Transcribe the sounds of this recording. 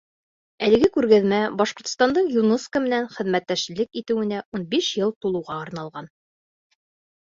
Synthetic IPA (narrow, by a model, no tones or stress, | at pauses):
ælɘ̆ɡɘkʉɾɡæðmæbɑʃqŏɾt̪̆st̪ɑnd̪ɤɴjunɤskəmɘ̆nænχɘ̆ðmæt̪ːæʃlɘkit̪ɘ̆wɘ̆næʔunbiʃjɤlˠt̪ulˠɤ̆wʁɑɑɾnɑlˠʁɑn